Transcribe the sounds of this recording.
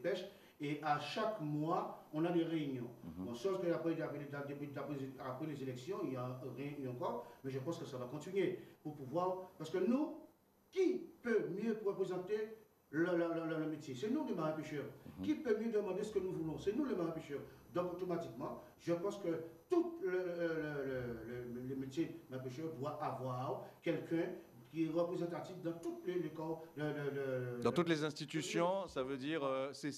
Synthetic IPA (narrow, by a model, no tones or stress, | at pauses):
pɛʃ | eʔaʃakmwaɔ̃nad̪eʁeynjɔ̰̃bɔ̃sɛ̃skəapʁɛapɛlead̪epiapχɛapχɛlezelɛksjɔ̃iãʁjɛ̃ɑ̃kɔʁmɛʒəpɑ̃skəsavakɔ̃t̪inɥepuʁpuvwaʁpaʁsəkənu | kipømjøpʁəpχezɑ̃t̪e | llləlləmet̪jesɛnud̪emaʁɛ̃peʃœʁkipømjød̪əmɑ̃d̪esə̥kənuvulɔ̃sɛnũləmaʁĩpeʃœʁ | d̪ɔ̃kot̪omat̪ikmɑ̃ | ʒəpɑ̃skət̪ut̪ləəlllləmet̪jemapeʃœʁd̪waʔavwaʁkɛlkʰɛ̃ | kʲiʁəpʁezɑ̃t̪at̪ifd̪ɑ̃t̪ut̪lelekɔllld̪ɑ̃t̪ut̪lezɛ̃st̪it̪ysjɔ̃savød̪iːʁøsɛ